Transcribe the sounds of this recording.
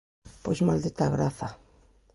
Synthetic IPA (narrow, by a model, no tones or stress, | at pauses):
pesmald̪it̪aɣɾaθa